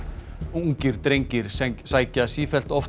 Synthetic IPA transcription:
uŋcɪɾ̥t̪ɾejɲcɪɾ̥sɛsaːjcasiːfɛl̥t̪ɔft̪

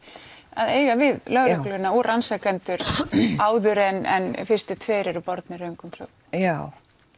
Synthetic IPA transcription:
aðeːjɣavɪðlœɣɾʏhklʏɣʏnːaɔrʔansakɛnt̪ʏɾaːwðʏɾɛnɛ̰nfɪr̥st̪ɪt̪ʰveːɾɛɾʏpɔɾt̪nɪɾœɥŋkʏmœ | jaw

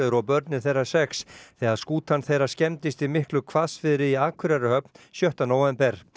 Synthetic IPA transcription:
ðʏɾɔwpœɾt̪nɪθejrːḁsɛksθɛːɣaðskuːt̪ʰanθejɾḁscɛmt̪ɪst̪imɪhklʏkʰvasfɪðɪɾɪiaːkʰʏɾaɾɪhœpnsjœht̪anoːwɛmpɛɾ̥

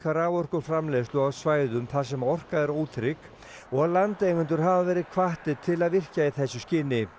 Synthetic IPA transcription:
kʰaɾaːvɔr̥kʏɾ̥fɾamlɛðst̪ʏɣawsvaːjðʏmθaðsɛmaɔr̥kaðɛɾoːwt̪ʰɾɪk | ɔɣalant̪ejɣʏnt̪ʏɾ̥ɦavavɛːɾɪðkʰvaht̪ɪt̪ʰːɪlaðvɪr̥caɪθɛsːʏscɪnːɪ

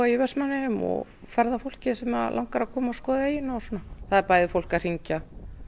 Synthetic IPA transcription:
ðaivɛsmanːɪhɪmɔ̰ | fɛɾðafowl̥cɪsɛmalʔawŋkaɾakʰɔːmaɔskɔːðaɪnːɔsɔnːaθaðɪɾpaːjðɪfowl̥kar̥iɲca

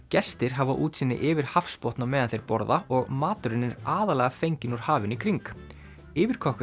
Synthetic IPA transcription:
cɛst̪ɪɾ̥ɦavaʔuːt̪sɪnːɪ̰ʔɪːvɪɾ̥hafspɔwht̪namɛːðanθejɾpɔɾðaɔɣmaːt̪ʏɾɪnːɪɾaːðalɛɣafejɲcɪnuɾ̥haːvɪnikʰɾiŋk | ɪːvɪɾ̥kʰɔhkʏ

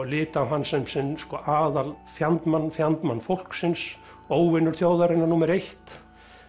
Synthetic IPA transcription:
lɪːt̪awɦanːsɛmsɪnskɔːʔaːðalfjant̪manːfjant̪manːfowl̥ksɪns | oːwvɪnːʏɾ̥θjoːwðaɾɪnːaɾnuːmɛɾejht̪

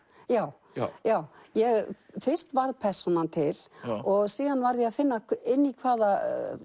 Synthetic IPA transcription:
jaːw | jaːwjɛɣfɪr̥st̪vaɾðpʰɛr̥sɔnant̪ʰɪlɔɣsiːðanvaɾðjɛaðfɪnːaɪnːikʰvaːða

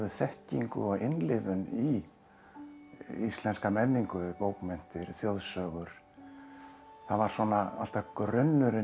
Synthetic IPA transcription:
vʏθɛhciŋkʏ̰ɔɣɪnlɪvʏni | ist̪lɛnskamɛnːiŋkʏpoːwkmɛn̥t̪ɪɾ̥θjowðsœːɣʏɾ̥ | θaðvaɾ̥sɔːnaa̰l̥t̪akrʏnːʏɾɪ

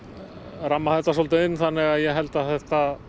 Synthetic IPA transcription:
ramːaθɛt̪ːasɔlt̪ɪɪnːθanːɪɣaðjɛɦɛlt̪aðθɛht̪a

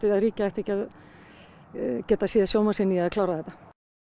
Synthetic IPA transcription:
t̪ɪðaðriːcaɛht̪ɛcað | cɛːt̪asɛːasjoːwmasɪniaðklaːwɾaðɛt̪ːa

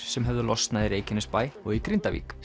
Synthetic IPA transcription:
sɛmɦɛvðʏlɔst̪naðiɾeːjcɪnʏspaːjɔɣikɾɪnt̪avḭːk

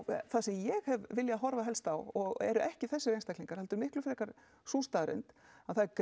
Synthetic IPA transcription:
θasɛmjɛɣhɛvvɪljaɦɔɾvaɦɛlst̪awɔɣɛ̰ɾʏʔɛhcɪθɛsːɪɾejnst̪akliŋkaɾ̥hɛlt̪ʏɾmɪhklʏfɪɾɛkaɾ̥ | suːst̪aːɾɪ̰nt̪aðθaɛɾk

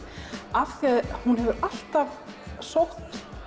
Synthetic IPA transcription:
afθɛaðhunɦɛvʏʔal̥t̪avsowht̪

